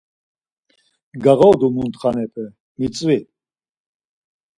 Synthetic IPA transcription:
ɡaɣɔd̪umunt̪χanɛpʰə | mit͡sʼvi

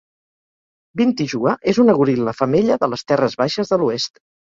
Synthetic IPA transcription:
bint̪iʒuəʔezunəɣuɾiləfəmeʎəðələst̪ɛrəzβaʃəzðəluest̪

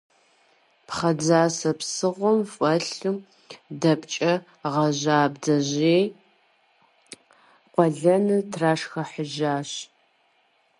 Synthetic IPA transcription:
pχɐd͡zaːsɐpsɨʁʷɔmfʼɐɬɨm | dɐpt͡ʃʼɐ | ʁɐʑaːbdɐʑeː | qʷɔɮɐnɨtʰraːʂxɐħəʒaːɕ

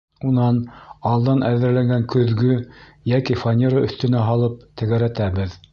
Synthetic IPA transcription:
unɑnɑlˠd̪ɑnʔæðɘ̆ɾlæŋɡæŋkɵ̆ðɡɵ | jækifanʲeɾəɵ̆θt̪ɵ̆næɦɑlˠɤp̚t̪ɘ̆ɡæɾæt̪æβɘð

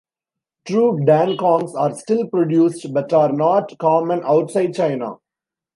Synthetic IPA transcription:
ʈɾuːɖæ̃nkɔ̃ːŋsaːɾsʈɪlpɾɔɖjuːsʈbʌʈaːɾnɔːʈkɔːmə̃naʊʈsaɪɖ̚t͡ʃaɪna̰

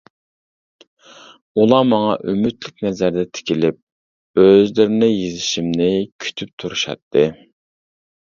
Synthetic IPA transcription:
ulˠɑmɑŋɑ̰ʔymyt̪lɪk̚ʲnɛzæɾd̪ɛt̪ʰɪ̥kʲʰilɪp̚ | øzlɪɾɪnɪjezɪʃimnɪkʲʰy̥t̪ʰyp̚t̪ʰuɾuʃɑ̰t̪ʰːɨ

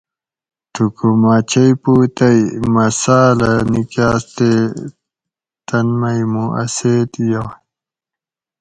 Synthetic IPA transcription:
t̪ukumaːt͡ɕʰɐjpuːt̪ɐjmɐsaːlɐnikaːst̪e | t̪ɐnmɐjmuʔɐ̰seːt̪jo

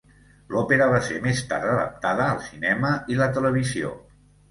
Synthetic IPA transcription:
lɔpeɾəβasemest̪a̰ɾəðə̰p̚t̪aðəːlˠsinɛməilət̪ələβ̞izio̰

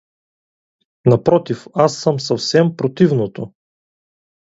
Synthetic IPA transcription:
nɐpɾɔt̪ifasːəmsɐfsɛmpɾot̪ivnot̪o

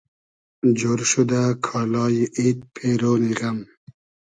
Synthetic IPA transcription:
d͡ʒoːɾʃud̪akʰɑːlɑːjiʔit̪̚pʰeɾoːniɣam

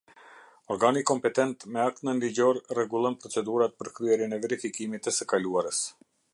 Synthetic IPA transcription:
ɔɾɡanikɔmpɛt̪ɛnt̪mɛak̚t̪nənliɟɔɾrɛɡulˠɔnpɾɔt͡sɛd̪uɾat̪̚pəɾkɾyɛɾjənɛvɛɾifikimit̪əsəkaluaɾəs

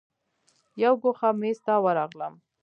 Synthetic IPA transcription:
jawɡoxamest̪ɑwaɾɑɣlə̰m

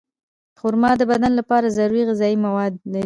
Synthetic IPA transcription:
əxʊɾmɑd̪əbad̪anlapɑɾazaɾuɾiɣɪzɑjimawɑd̪laɾi

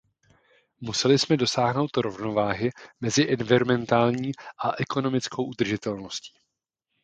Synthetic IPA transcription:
musɛlɪsmɛdo̞saːɦno̞wt̪ɾo̞vno̞vaːɦɪmɛzɪʔɛnvɪɾomɛnt̪aːlɲiːʔaʔɛko̞no̞mɪt͡skʰowʔud̪r̩ʒɪt̪ɛlno̞sci̥ː

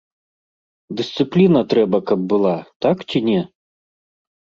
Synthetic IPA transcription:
d̪ɨsʲt̪sɨplʲinɐt̪ɾɛbɐkɐb̚bɨlˠat̪akt͡ɕʲinʲɛ

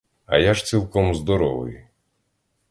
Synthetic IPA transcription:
ɐ̰jaʒt͡sʲilˠkɔmzd̪ɔɾɔʋɪ̰j

